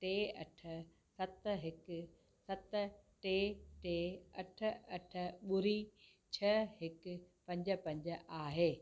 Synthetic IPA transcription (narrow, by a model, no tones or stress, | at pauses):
ʈeːɐ̰ʈʰə̆ | sɐt̪ɦɪk | sɐt̪ʈeːʈeːɐʈʰə̆ɐʈʰə̆ɓʊɾi | t͡ɕʰɐɦɪkpɐ̃ɲd͡ʑə̆pɐ̃ɲd͡ʑaːɦeː